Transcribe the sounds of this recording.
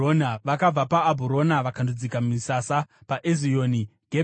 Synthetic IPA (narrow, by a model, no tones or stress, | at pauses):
onaʋakab͡vapaːbʱuɾo̞naʋakandud͡zikammisasapaʔezijoːniɡʱe